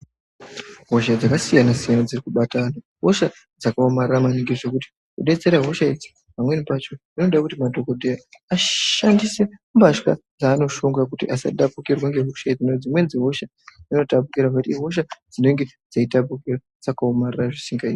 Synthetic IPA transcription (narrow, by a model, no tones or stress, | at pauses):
ɦo̞ʃad͡zakasijanasijanad͡zirikuɓatana | ɦo̞ʃa | d͡zakaomariramaniŋɡeʐe̞kuti̥ | kuɗe̞t͡se̞ɾaɦo̞ʃaed͡zi̥ | pamwe̞nipat͡ʃo̞ | inoɗakutimadʱo̞kodʱejaaʃandise̞mbaʃkad͡zaːno̞ʃoŋɡakutiʔasa̰ɗapukirwaŋɡe̞ɦo̞ʃaed͡zinod͡zimwe̞nd͡ziɦo̞ʃa | d͡zino̞tap̬ukiɾavakutiɦo̞ʃ̬ad͡zine̞ŋɡe̞ | d͡zaitapukira | d͡zakaomariraʐisiŋɡaḭ